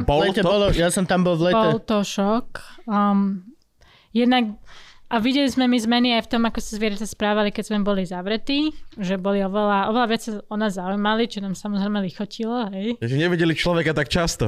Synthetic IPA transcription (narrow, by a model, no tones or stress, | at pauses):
bɔlɛtɛbɔlɔjasɔmt̪ambɔlʋlɛpɔɛlt̪ɔʃɔk | jɛd̪nakʔaʋiɟɛlizmɛmizmɛniajft̪ɔmakɔsazʋɪɛɾat̪aspɾaːʋalikɛzmɛbɔlizaʋɾɛt̪iːʒɛbɔliɔʋɛlaʔɔʋɛlaʋɪat͡ssaɔnaːzzaujmalit͡ʃɔnaːmsamɔzɾɛjmɛlixɔcʰilɔɦɛjʒɛɲɛʋiɟɛlit͡ʃlɔʋɛkat̪akt͡ʃast̪ɔ